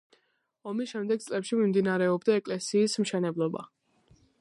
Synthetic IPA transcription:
ɔmisʃɛmd̪ɛɡ̚t̪sʼlɛpʃimimd̪inaɾɛɔbd̪aɛkʼlɛsiːsmʃɛnɛblˠɔba̰

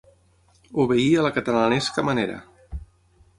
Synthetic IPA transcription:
uβeiələkət̪əlanɛskəməneɾə̰

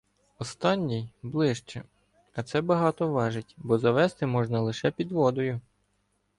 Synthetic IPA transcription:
ɔst̪ɑnʲːijblˠɪʃt͡ʃɛ | ɐt̪sɛbɐɦɑt̪ɔʋɑʒɪtʲbɔzɐʋɛst̪ɪmɔʒnɐlˠɪʃɛpʲid̪ʋɔd̪ɔjʊ

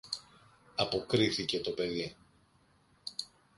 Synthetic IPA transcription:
ɐpo̞kɾiθice̞t̪o̞pe̞ði

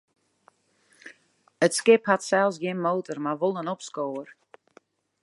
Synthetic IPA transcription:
ətskɪphatsɛlˠsɡjɪnmoːtərmarʋolˠənɔpskoːər

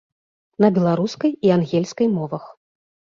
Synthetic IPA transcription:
nɐbʲɛlˠaɾuskɐjianɣʲɛlʲskɐjmɔvɐx

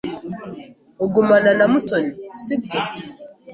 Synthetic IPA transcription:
oɡumananamutɔnisik̚tɔ

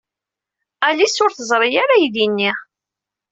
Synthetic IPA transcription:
ælisʊɾθəzˤɾˤijaɾajiðinːiʁ

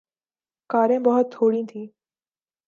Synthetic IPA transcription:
kaːɾẽːbəɦʊt̪ʰːoːɽĩːt̪ʰĩː

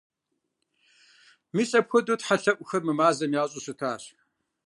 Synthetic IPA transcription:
miːsʼɐpxʷɔdotħaɬɐʔʷʼʊxɐrmɨmaːzɐmjaːɕʼusɨtʰaːɕ

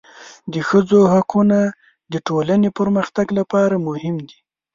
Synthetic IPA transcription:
d̪əxəd͡zohakuna | d̪əʈolanepəɾməxt̪aɡlapɑɾamʊhɪmd̪i

